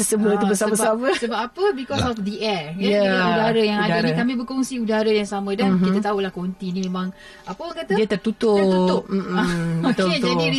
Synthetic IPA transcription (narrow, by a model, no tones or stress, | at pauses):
əsəmət̪ubəsamasamasəbapapəbikɔsɔfd̪iʔɛjaɛudaɾajaŋadanĩkamĩbəkoŋsiudaɾajaŋsamə̃dankit̪at̪aulahkont̪inĩmemãŋ | apəakat̪addiət̪ərt̪ut̪ʊut̪ʊpp̚m̩ət̪od͡ʒai